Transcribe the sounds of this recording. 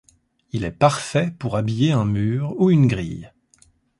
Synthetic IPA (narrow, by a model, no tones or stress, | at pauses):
ilɛpaʁfɛpuʁabijeɛ̃myːʁuynɡʁḭj